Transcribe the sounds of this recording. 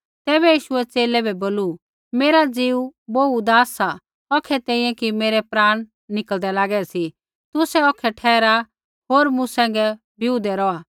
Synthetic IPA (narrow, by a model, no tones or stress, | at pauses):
t̪ɛːβɛjiːʃʊɛt͡seːlɛbɛboːlu | meːɾad͡ziːuboːud̪aːsa | ɔkʰːɛt̪ɛ̃ːĩjɛ̃kimeːɾɛpɾaːɽ̃ | nɪkəld̪ɛlaːɡɛsi | t̪ʊsɛɔkʰɛʈʰɛːɾa | ɦoːɾmũsɛ̃ːŋɡɛ | bʱɪud̪ɛɾɔaː